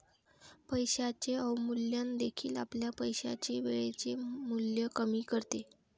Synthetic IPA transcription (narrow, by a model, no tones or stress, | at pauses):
pəjɕat͡ɕeəwmuljand̪ekʰiːla̰pljapəjɕa̰t͡ɕeʋeɭet͡ɕemuljəkəmiːkəɾt̪e